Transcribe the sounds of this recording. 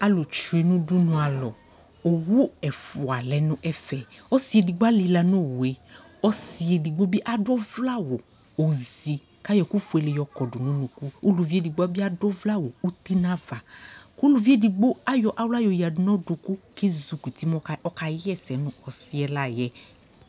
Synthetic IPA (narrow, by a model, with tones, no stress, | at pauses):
a˨lo˨t͡ʃu˨e˨˧nũ˦du˦nũ˧a˨lɔ˨ | o˨wu˦ɛ˨fu˨a˨lɛ˨˦nũ˦ʔɛ˦fɛ˧ɔ˦si˧e˧di˧ɡ͡ba˦li˧la˧nõ˦˨wu˨e˨ | ɔ˦si˧e˧˨di˧ɡ͡bo˦bi˦ʔa˦dɔ˦vla˦˨wo˨ | o˨zi˨ | ka˦jɔ˨˧˨ku˦fu˧e˧le˧jɔ˧kɔ˨du˨nũ˦nũ˨˧ku˦u˦lu˧vi˦e˦˨di˧ɡ͡ba˦bi˦a˦dɔ˦vla˦˨wo˨u˦ti˦nã˦va˨ku˦lu˧vi˦e˦˨di˧ɡ͡bo˦a˦jɔ˧ʔa˦wla˦jɔ˧ja˨du˨˦nɔ̃˦du˧ku˦ke˦zu˨˧˨kʷi˨ti˦mɔ˦ɔ˦ka˧˦jɛ˦˨sɛ˨˦nũ˦ɔ˨˧si˦ɛ˧la˦˨jɛ˨˦